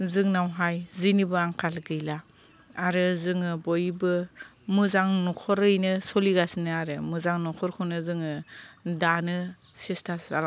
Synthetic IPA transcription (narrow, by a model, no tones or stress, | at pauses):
zɯŋnawɦajzinibɯaŋkʰalɡɯjla | aɾɯzɯŋɯbɔjbɯmɯzaŋnɔkʰɔɾɯjnɯsɔliɡasnɯaɾɯmɯzaŋnɔkʰɔɾkʰɯnɯzɯŋɯdanɯ | sistʰaa̰l